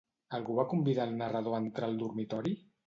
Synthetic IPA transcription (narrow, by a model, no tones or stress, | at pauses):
alɣuβakumbiðaːlˠnərəð̞oant̪ɾalˠd̪uɾmit̪ɔɾi